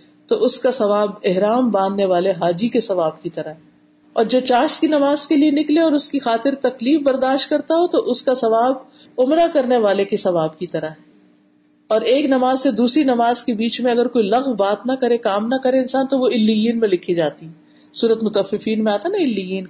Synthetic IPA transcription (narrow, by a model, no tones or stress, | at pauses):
t̪oʔʊskasɐʋaːbɪɦɾaːmbãːnd̪neʋaːleɦaːd͡ʒikesɐʋaːbkit̪ɐɾaɦɛ | ɔːɾd͡ʒɐbt͡ʃaːʃt̪kinɐmaːz̥kelienɪkleɔːɾʊskixaːt̪ɪɾt̪ɐkliːfbɐɾd̪aːʃt̪̚kɐɾt̪aɦot̪oʔʊskasɐʋaːb | ʊmɾakɐɾneʋaːlekesɐʋaːb̚kit̪ɐɾaɦɛː | ɔːɾeːknɐmaːzsed̪uːsɾinɐmaːzkebiːt͡ʃmẽɐɡəɾkoːilɐɣmbaːt̪nɐkɐɾẽkaːmnɐkɐɾeɪ̃nsaːnt̪oʋoɪlːijiːnmẽlɪkʰid͡ʒaːt̪iɛ | suːɾət̪mʊt̪ɐfɪfiːnmẽaːt̪anɐɪlːijiːn